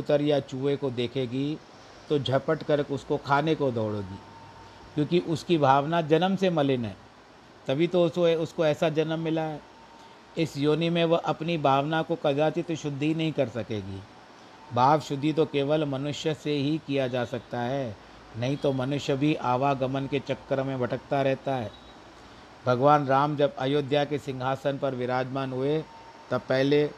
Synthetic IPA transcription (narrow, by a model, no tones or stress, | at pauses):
ʊt̪əɾjat͡ʃuːʋekod̪eːkʰeːɡi | t̪od͡ʒʱɐpəʈkɐɾkʊskokʰaːnekod̪ɔːɽoːɡiː | kjõːkiʔʊskibʱaːʋnad͡ʒɐnəmsemɐlɪnɦɛ̰ː | t̪ɐbʱit̪oʊskoɛːsad͡ʒɐnəmːɪlaɦɛː | ɪsjoːnimẽʋɐʔɐpnibʱaːʋnakokɐd͡ʒaːt̪it̪oʃʊd̪ʱːinɐɦĩkɐɾsɐkeːɡḭː | bʱaːʋʃʊd̪ʱːit̪̬okeːʋəlmɐnʊʃjəseɦikijad͡ʒaːsɐk̚t̪aɦɛː | nɐɦĩt̪omɐnʊʃjəbʱiʔaːʋaɡɐmənket͡ʃɐkːəɾmẽbɐʈʰəkt̪aɾɛɦt̪aɦɛː | bʱɐɡʋaːnɾaːmd͡ʒɐbɐjoːd̪ʱjakesɪ̃ŋɡʱaːsənpɐɾʋɪɾaːd͡ʒmaːnɦʊe | t̪ɐpɛɦle